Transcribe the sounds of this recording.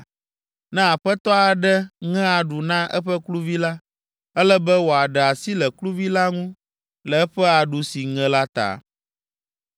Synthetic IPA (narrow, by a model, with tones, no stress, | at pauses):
nɛ̃˦a˨ɸɛ˦t̪ɔ˦a˨ɖɛ˦ŋɛ̃˦a˨ɖu˨nã˦ʔɛ̰˦ɸɛ˦klu˦vi˦la˦ | ɛ˦lɛ˦bɛ˦wo˨a˨ɖɛ˨a˨si˦lɛ˨klu˦vi˦la˦ŋũ˦ | lɛ˨ɛ˦ɸɛ˦a˨ɖu˨si˨ŋɛ̃˨la˦t̪a̰˨